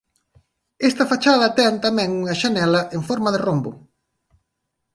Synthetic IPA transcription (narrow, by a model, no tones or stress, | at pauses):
ɛst̪ɐfat͡ʃaðɐt̪ɛnt̪amɛ̃ŋuŋɐʃanɛlɐʔeŋfɔɾmaðerombʊ